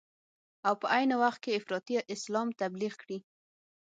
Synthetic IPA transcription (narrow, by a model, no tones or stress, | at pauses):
awpəʔajnawaxt̪̚keɪfɾɑt̪iʔɪslɑmt̪abliɣkɽi